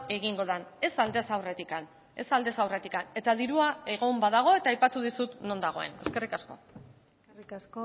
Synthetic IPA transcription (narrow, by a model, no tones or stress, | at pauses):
e̞ɣiŋɡo̞ð̞ane̞sald̪e̞sawre̞t̪ikan | e̞sald̪e̞sawre̞t̪ikane̞t̪aðiɾuae̞ɣ̞o̞mbaðaɣ̞o̞e̞t̪aːjpat̪uðisut̪no̞nd̪aɣ̞o̞e̞̰ne̞ske̞rikasko̞̰ | s